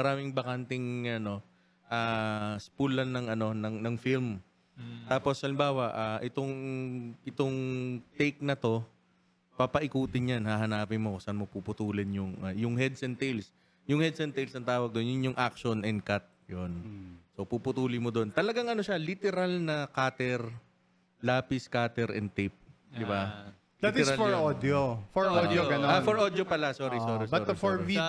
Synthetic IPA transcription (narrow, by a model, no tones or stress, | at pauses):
mɐɾaːmɪŋbɐkant̪ɪŋɐno̞ | ʔaːspulɐnnːɐŋɐno̞nɐŋnɐŋfilm | t̪aːpo̞sɐlɪmbaːwɐʔaʔɪt̪oŋʔɪt̪oŋt̪ɛjk̚nɐt̪o̞ | papɐʔɪkuːt̪ɪnjanhaɦɐnaːpɪnmokʊsɐnmopupʊt̪uːlɪnjʊŋʔajʊŋhɛd̪sɛnt̪ejls | jʊŋhɛd̪̚sɛnt̪ejlsɐnt̪aːwɐɡ̚d̪onjʊnjʊŋʔak̚ʃonɛnd̪̚kat̪̚jonso̞pupʊt̪uːlɪmod̪o̞nt̪ɐlɐɡaŋɐnoʃalit̪ɛɾalnɐkaːt̪ɛɾ | laːpɪskaːt̪ɛɾʔɛ̰nt̪ejp̚ | d̪ɪba | d̪at̪sɾɐfɔɹod̪ofɔod̪joɡɐnoanfɔɹʔod̪jopɐlasoːɾisoːɾisɐofɔi